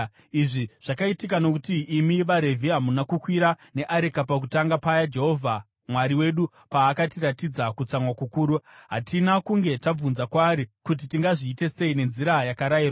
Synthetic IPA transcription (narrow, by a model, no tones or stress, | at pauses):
iʐiʐ̥akaitik̬ano̞kutiːmiʋaɾe̞vʱiɦamunakukwiɾa | ne̞ʔaɾekapak̬utaŋɡapajad͡ʒe̞ɦo̞vʱa | mwaɾiwe̞ɗu | paːkatiɾatid͡zakut͡samwakukuːɾuɦatinakuŋɡe̞tab͡vunzakwaːɾikut̬itiŋɡaʐiːte̞se̞ine̞nziɾajakaɾajiraa